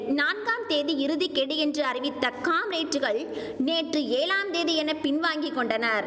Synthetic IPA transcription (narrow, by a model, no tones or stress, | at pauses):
naːnɡaːmt̪eːðiɪɾɯðikːɛɽiɛndrɯɐɾɪʋɪt̪ːɐkːaːmɾeːʈrɯɣɐɭ | neːʈrɯeːlaːmt̪eːðijɛnɐpɪnʋaːŋɡɪkːɔɳɖɐnɐːɾ